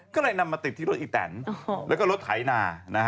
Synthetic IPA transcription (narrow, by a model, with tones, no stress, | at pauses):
kɔː˥˩lɤ˧jna˧mːaː˧t̪i˨˩t̪̚ʰːiː˥˩o˦t̪̚ʔi˨˧˩t̪ɛ̰ː˩˦nlɛː˦˥wkɔː˥˩ɾo˦˥t̪̚hʰa˩˦jnaː˧na˦˥kʰ